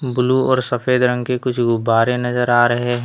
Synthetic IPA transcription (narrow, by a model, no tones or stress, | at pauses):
bʊluɔːɾsɐfeːd̪ɾə̃ŋɡkekʊt͡ʃʰɡʊbːaːɾenɐzəɾaːɾɐɦeɦɛ̃